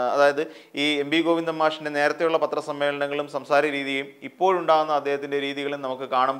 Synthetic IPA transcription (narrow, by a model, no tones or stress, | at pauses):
ɐ̰ðaːjɐðɨiːe̞mbiɡoːʋind̪ɐmːaːʂinde̞ne̞ːɾɐt̪ːe̞juɭːɐpɐt̪ːrɐsɐmːe̞ːɭɐɳɐŋːɐɭumsɐmsaːɾɐɾiːðijejumipːo̞ːɻuɳɖaːɣunːɐɐd̪ːe̞ːhɐt̪ːinde̞ɾiːðiɣɐɭumnɐmukːɨkaːɳɐm